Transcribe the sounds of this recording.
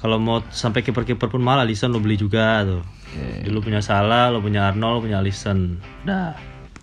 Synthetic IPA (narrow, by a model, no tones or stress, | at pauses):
kalomaw̪sampajkepərkipərpʊnmaalalisənlʊbəlid͡ʒuɡat̪u | dilup̬uɲasalalop̬uɲaːrnɔlpuɲalisən | da